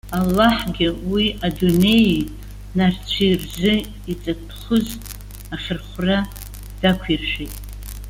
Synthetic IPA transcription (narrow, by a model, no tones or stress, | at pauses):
alːaħɡʲɪwiʔadune̞j | nart͡ɕʷʰirzɨ | it͡sʼapʰχʊz | aχʲɪrχʷra | d̥akʷʰirʃejtʼ